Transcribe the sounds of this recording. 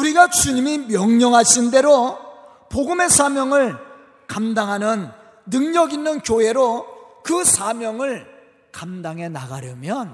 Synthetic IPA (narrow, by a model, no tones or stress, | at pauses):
uɾiɡat͡ɕuɲimimjʌŋɲʌŋɦaɕʰinde̞ɾo | poɡɯme̞sʰamjʌŋɯɭ | kamdaŋɦanɯnː | ɯŋɲʌɡinːɯnkjoɦe̞ɾokɯsʰamjʌŋɯɭ | kamdaŋɦe̞na̰ɡaɾjʌmjʌn